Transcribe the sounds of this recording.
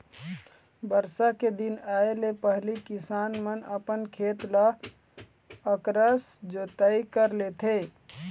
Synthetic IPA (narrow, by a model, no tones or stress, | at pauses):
bəɾsaked̪inaelepəɦlikisanmənəpənkʰet̪la | əkɾəsd͡ʒot̪əikəɾlet̪ʰe